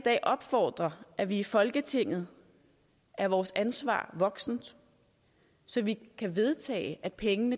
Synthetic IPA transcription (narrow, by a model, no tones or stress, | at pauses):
d̥ɛ̰ːʔɒ̽b̥fɒ̰ːd̥ʁɐʔæʋiːfɒ̽lɡ̥ət͡sʰe̝ŋ̰ð̞̩ˠ | ʔæɐʋɒːsænsʋɑ̰̈ːʋɒ̽ɡ̥sn̩d̥ | sɒ̽ʋikʰæʋe̝ð̞ˠt͡sʰɛ̰ːɪʔæd̥̚pʰeŋənə